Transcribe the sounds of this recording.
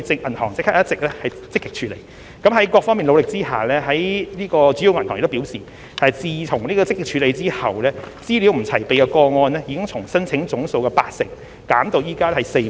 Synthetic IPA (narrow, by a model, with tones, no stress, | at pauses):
t͡sɪ˨˧ŋʔɐ˨˩nhɔ̰ː˨˩ŋt͡sɪ˥k̚ʰːaː˥jɐ˥t̚t͡sɪ˨k̚lɛː˥hɐ˨jt͡sɪ˥kːɪ˥k̚t͡ʃʰyː˨˧˥lḛ˨˩j | kɐ˨˥mɦɐ˨˥jkʷɔː˧k̚fɔː˥ŋmiː˨nlo˨˧wlɪ˨k̚t͡siː˥ha̰ː˨lɛː˥ɦɐ˨˥jniː˥kɔː˧t͡ʃy˨˥i˧wmɐ˨˩t̪ʰːŋ̰˨kt̪o˥piː˨˥wsiː˨ | ɐ˨jt͡siː˨tʰʊ˨˩ŋniː˥kɔː˧t͡sɪ˥kːɪ˥k̚t͡ʃʰyː˧le˨˧jt͡siː˥hɐ˨wlɛː˥t͡siː˥li˨˥wm̩˨˩t͡sʰɐ˨˩jpe˨jkɛ˧kɔː˧ŋɔː˧nlɛː˥ji˨˧kɪ˥ŋt͡sʰʊ˨˩ŋsɐ˥nt͡sʰɪ˨˥ŋt͡sʊ˨˥ŋso˧wkɛ˧pa̰ː˧k̚sɪ̰˨ŋ̚ | kaː˨˥mt̪o˧wjiː˨˧kaː˥lɛ˥hɐ˨˩se˧